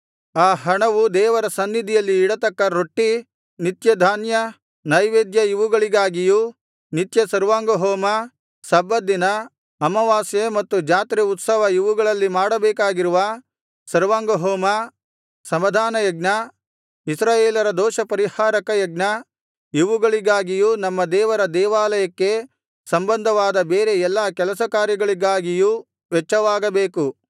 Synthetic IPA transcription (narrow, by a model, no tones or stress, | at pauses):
aːɦɐɳɐʋud̪ɛːʋɐɾɐsɐnːid̪ʱijɐlːiːɽɐt̪ɐkːɐɾoʈːi | nit̪jɐd̪ʱaːnjɐ | nɐjʋeːd̪jɐiʋuɡɐɭiɡaːɡiju | nit̪jɐsɐɾʋaːŋɡoɦɔːmɐ | sɐbːɐd̪ːinɐ | ɐmɐʋaːsjemɐt̪ːud͡ʒaːt̪ɾiut̪sɐʋɐiʋuɡɐɭɐlːimaːɽɐbɛːkaːɡiɾuʋɐ | sɐɾʋaːŋɡɐɦoːmɐ | sɐmɐd̪ʱaːnɐjɐɡ̚nɐ | isɾaːjeːlɐɾɐd̪ɔːʃɐpɐɾihaːɾɐkɐjɐɡnɐ | iʋuɡɐɭiɡaːɡijunɐmːɐd̪ɛːʋɐɾɐd̪ɛːʋaːlɐjɐkːe̞ | sɐmbɐnd̪ʱɐʋaːd̪ɐbeːɾe̞ɛlːakɛlɐsɐkaːɾjɐɡɐɭiɡaːɡiju | ʋɛt͡ʃːɐʋaːɡɐbeːku